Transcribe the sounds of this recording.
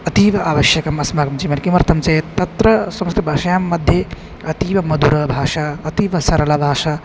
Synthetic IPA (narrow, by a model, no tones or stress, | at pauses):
ɐt̪iːʋɐaːʋɐʃjɐkɐmɐsmaɡɐmd͡ʒimɐlkimɐɾt̪ɐmt͡ʃɐjt̪ɐt̪ɾɐsɐmɐst̪ibʱaːʃɐjaːmːɐd̪ʱje | ɐt̪iːʋɐmɐd̪uɾɐbʱaːʃaːɐt̪iːʋɐsɐɾɐlabʱaːʃaː